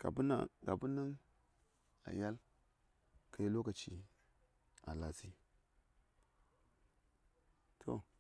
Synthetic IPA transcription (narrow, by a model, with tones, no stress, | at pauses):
ɡ̥a̰˨bna̰˦˨ɡa̰˨bu˦na˦n | a̰˨ja˦l | kʰa˨˦ji˦lo˦ka˨t͡ʃi˦ | a̰˨la˨si˦ | tʰo̰˨